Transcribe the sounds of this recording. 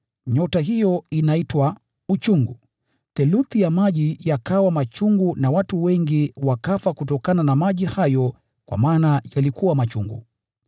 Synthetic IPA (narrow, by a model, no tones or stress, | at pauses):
ɲɔtaɦijɔinaitwa | ut͡ʃuŋɡṵ | θɛluθijamaʄijakawamat͡ʃuŋɡunawatuwɛŋɡiwakafakutɔkananamaʄihajɔ | kwa̰maːnajalikuwamat͡ʃuŋɡṵ